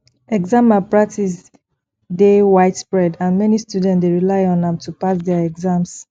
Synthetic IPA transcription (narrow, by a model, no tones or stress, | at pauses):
ɛɡzãmapɹak̚tʰis | dewaɪtspɹɛdãnmɛnistjudɛ̃ntsdeɹilaɪɔ̃ndɛ̃mtʰupasdɛaɛɡzãms